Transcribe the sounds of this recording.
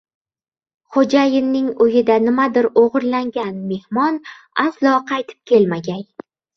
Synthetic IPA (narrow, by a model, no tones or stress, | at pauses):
χod͡ʒajɪnːɪŋʊjɪd̪anɪmad̪ɪɾoʁɨɾlaŋɡʲanme̞hmɒn | aslˠɒqʰɑjt̪ʰɪ̥p̚kʲʰe̞lmaɡʲaj